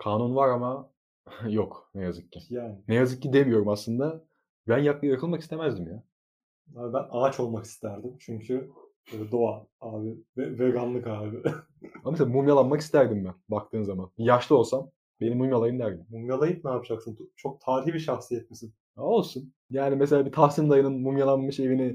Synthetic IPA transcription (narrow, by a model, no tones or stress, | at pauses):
kʰaːnunvaɾama | joknɛjazɯkcijaːnɪnejazɯk̚ːid̪e̞mijo̞ɾumaslˠɯnd̪a | bænjaklɯjjɾakʰɯlˠmaki̥st̪ʰe̞mæzd̪imja | abænaːt͡ʃʰo̞lˠmaki̥st̪ʰæɾd̪imt͡ʃʰyɲcʰy | d̪oaaːbɪvɛvɛɡanlˠɯkaːbɪ | amameseamumjalˠanmakist̪æɾd̪imbænbakt̪ʰɯːnzamanbijaʃlˠɯo̞lˠsam | be̞nimumjalˠajɯnd̪æɾd̪immumjalˠajɯp̚naːpʰɯd͡ʒaksɯnt͡ʃʰo̞k̚t̪ʰaːɾihbiʃaxsijɛt̪̚mesin | o̞lˠsun | jaːnimese̞lʲaːbit̪ʰaxsind̪ajɯnɯnmumjalˠanmɯʃe̞vinɪ